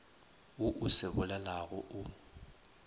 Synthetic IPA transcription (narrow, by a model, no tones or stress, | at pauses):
wʊʔʊsɪbʊlɛlaɣʊʔʊ